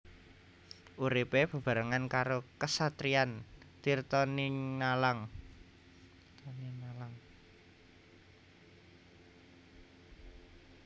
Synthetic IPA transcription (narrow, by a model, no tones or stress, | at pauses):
ʔuɾipeb̥ə̤b̥a̤ɾaŋankaɾokəsat̪ɾiant̪irt̪ɔninalaŋ | t̪ɔninalaŋ